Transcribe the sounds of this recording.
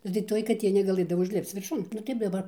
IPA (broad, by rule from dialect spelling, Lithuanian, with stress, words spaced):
nʊ tɐɪ ˈtoːj kɐˈtʲeː nʲɛɡɐˈlˠɘdɐʋoː ʊʒʲˈlʲɪpt͡s ʋʲɪrˈʃʊn nʊ ˈtɐɪp dɐˈbɐr